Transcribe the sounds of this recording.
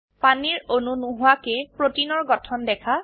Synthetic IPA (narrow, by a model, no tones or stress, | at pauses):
paniɹonunuɦʊakepɹotinɔɹɡɔtʰɔndɛkʰa